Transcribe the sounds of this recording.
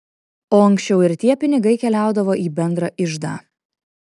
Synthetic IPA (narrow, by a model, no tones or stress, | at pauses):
oːɐŋʲksʲt͡ʃʲɛʊɪɾt̪ʲiɛpʲɪnʲɪɡɐɪkʲɛlʲæˑʊd̪ɐʋoːʔiːbʲɛnd̪ɾɐʔɪʒd̪ɑː